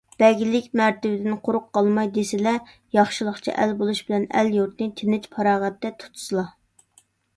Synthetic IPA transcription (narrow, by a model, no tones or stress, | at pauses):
b̥ɛɡʲilɪkʲmæɾt̪ɪbɪd̪ɪnqʰoɾʊqːɑlˠmɑjd̪esɪlɛ | jɑχʃɨlˠəχt͡ʃʰḭʔɛlbolˠuʃbɪlɛnɛ̰ljuɾt̪nɨt̪ʰɪnɪt͡ʃpʰɑɾɑːʁɛt̪ːɛt̪ʰu̥t̪ʰu̥sɨlˠɑ